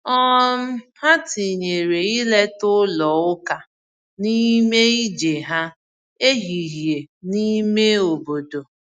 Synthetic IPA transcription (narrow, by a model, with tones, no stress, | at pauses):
ɔ˦m̩˦ha˦ti˨ɲe˨ɾe˨i˦le˦tʊ˦lɔ˨ʊ˦ka˨ | ni˦me˦i˦d͡ʒe˨ɦa˦ | e˦ɦi˨ɦje˨ni˦me˦o˨bo˨do˨